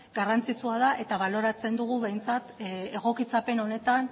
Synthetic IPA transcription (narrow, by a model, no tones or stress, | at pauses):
ɡarant͡sit͡suað̞aʔe̞t̪aβ̞alo̞ɾat͡se̞nd̪uɣuβe̞jnt͡sat̪e̞ɣo̞kit͡sape̞no̞ne̞t̪an